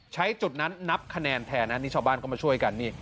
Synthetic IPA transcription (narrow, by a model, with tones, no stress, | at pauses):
t͡ɕʰa˦˥jt͡ɕu˨˩t̪̚na˦˥nːa˦˥p̚kʰa˧nɛː˧nt̪ʰɛː˧˩na˦˥niː˥˩aː˥˧˩baː˥˩nkɔ˥˩maː˧˩u˥˩əjka˧nːiː˥˩